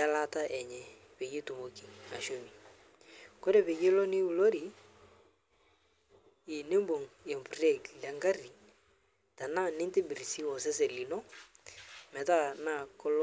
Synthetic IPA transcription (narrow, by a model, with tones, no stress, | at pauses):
a˦la˦ta˦ʔɛ˨ɲɛ˨ | pe˨ɡi˦tu˨mo˨ki˨ŋa̰˨ʃo˦mi˨ | ko˦ɾe˨pe˨ɡe˦lo˦ni˦u˨lo˦ɾi˨ | ɪ˨ne˦mbo˨ŋe˨mpre˦˨ɡlɛ˨ŋɡa˦ri˨ | ta˨na˦nɪ˦nte˦bɪ˨ɾi˨si˦wɔ˨sɛ˦se˨li˨nɔ˦ | mɛ˨ta˦na˦˨kʊ˦l